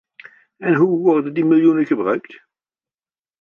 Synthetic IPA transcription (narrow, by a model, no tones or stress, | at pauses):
ɛnɦuʋɔɹdəndimɪlˠjunəχəbrœ̰ɥkt